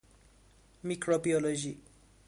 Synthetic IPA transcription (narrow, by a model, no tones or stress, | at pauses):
mikrobiɔlod͡ʒi